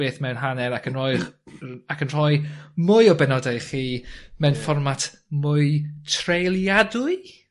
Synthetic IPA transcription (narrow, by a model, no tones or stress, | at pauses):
eːθmɛwnɦanɛɾakʰənrɔj | akʰənr̥ɔjmʊjɔbɛnɔdajχiːmɛwnfɔrmatʰ | mʊɨtʰrejlˠjadʊɨ